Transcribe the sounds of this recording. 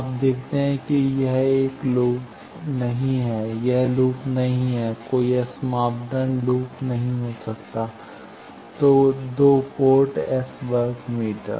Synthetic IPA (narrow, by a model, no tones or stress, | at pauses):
aːp̚d̪eːkʰt̪eɦɛ̃kijɛɦeːkluːp | nɐɦĩɦɛːjɐɦluːpnɐɦĩɦɛːkoːiɐsmaːbɖ̪ənluːpnɐɦĩɦoːsɐkt̪aː | t̪oːd̪oːpoːɾʈɛsbəɾɡmiːʈə̰ɾ